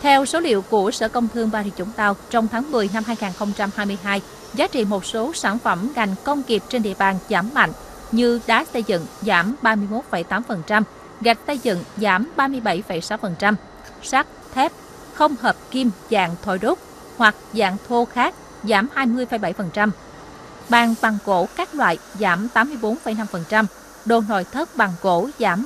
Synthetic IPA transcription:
t̪ʰɛ˧wso˨˦lḭ˧˨əwku˧˩əsə̰ː˧˩kə˧wŋ͡mt̪ʰɨ˧əŋvaː˨˩hḭ˧˨t͡ɕʊ̰˧˩˦ŋ͡mt̪a˧wt͡ɕɔ˧wŋ͡mt̪ʰaː˨˦ŋmɨ˨˩əjna˧mhɦaː˧jŋaː˨˩nxə˧wŋ͡mt͡ɕa˧mhaː˧jmɨ˧əjɦaː˧j | zaː˨˦t͡ɕḭ˧˨mo˨˩t̚so˨˦saː˧˩nfə˧˩mŋa˨˩jŋ̟kə˧wŋ͡mki˨˩əp̚t͡ɕe˧nɗḭ˧˨əɓaː˨˩nzaː˧˩mːa̰˧˨ŋ̟ | ɲɨ˧ɗa̰ː˨˦sə˧jzɨ̰˧˨ŋzaː˧˩mɓaː˧mɨ˧əjmo˨˦˥t̚fə˧˩jt̪aː˨˦mfə˨˩nt͡ɕa˧m | ɣa˨˩k̚sə˧jzɨ̰˧˨ŋzaː˧˩mɓaː˧mɨ˧əjɓa˧˩jfə˧˩jsa˨˦wfə˨˩nt͡ɕa˧m | sa˦˥k̚t̪ʰɛ˦˥p̚ | xə˧wŋ͡mhəː˨˩p̚ki˧mza̰ː˧˨ŋt̪ʰo̰˧˩jɗʊ˦˥k͡p̚ | hwa˨˩k̚za̰ː˧˨ŋt̪ʰo˧xaː˦˥k̚ | zaː˨˦mhaː˧jmɨ˧əjfə˨˧˩jɓa˧˩jfə˨˩nt͡ɕa˧m | ɓaː˨˩nɓa˨˩ŋko̰˧˥˦kaː˦˥k̚lwa̰ː˧˨jzaː˨˦mt̪aː˨˦mːɨ˧əjɓo˨˦nfə˨˧˩jna˧mfə˨˩nt͡ɕa˧m | ɗo̰˧˨˩no̰˧˨jt̪ʰə˦˥p̚ɓa˨˩ŋko˧˥zaː˨˧˦m

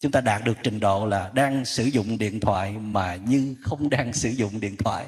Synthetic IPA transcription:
t͡ɕʊ˨˦ŋ͡mt̪aː˧ɗaː˨˩t̚ɗɨ˨˩ək̚t͡ɕï˨˩ŋ̟ɗo̰˧˨laː˨˩ɗaː˧ŋsɨ˧˦zʊ̰˧˨ŋ͡mɗḭ˧˨ənt̪ʰwa̰ː˧˨jmaː˨˩ɲɨ˧xə˧wŋ͡mɗaː˧ŋsɨ˧˦zʊ̰˧˨ŋ͡mɗḭ˧˨ənt̪ʰwa̰ː˧˨j

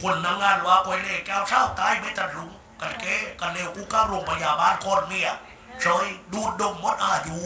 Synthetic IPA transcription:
kʰo˧˩˨nːa˧ŋːaː˧˨nwaː˧˦kɔ˧jle˧˩kɛː˧˨wsʰaː˧˨wt̪aː˧˥˨jbe˧˦t̪a˧t̪̚lu˨˦ŋ | ka˧tkeː˧˦ka˧˩nleː˧˩ʔu˧˦kaː˧˥˨ɾu˧˨ŋpʰa˧njaː˨˩baː˧˥˨nkʰɔː˧˩˨nmi˧˨ɐ˨ | sʰɔː˧˦jduː˧˩t̪̚do˧˨ŋmo˧˦t̪̚ʔaː˧˩juː˨˦

